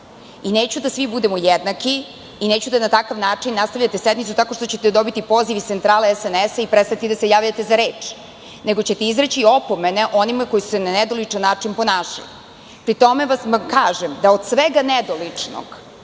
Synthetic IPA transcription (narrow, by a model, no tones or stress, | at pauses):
ineːt͡ɕud̪asʋibud̪emojed̪nakiː | neːt͡ɕud̪anat̪akaʋnaːt͡ʂinːast̪aʋʎʲat̪esed̪mit̪sut̪ako̞ʃt̪ot͡ɕet̪ed̪o̞bit̪ipo̞ːziʋist̪sent̪ɾaːleɛsenesaipɾest̪at̪id̪asejaːʋʎat̪e̞zaɾeːt͡ʂ | neɡo̞t͡ɕet̪eizɾet͡ɕio̞pomeneʔo̞nimako̞jisu̥senaned̪olit͡ʂanːaːt͡ʂinpo̞naːʃa̰lḭ | pɾit̪o̞meʋasmamkaːʒemd̪aod̪sʋeɡaned̪olit͡ʂno̰ɡ̥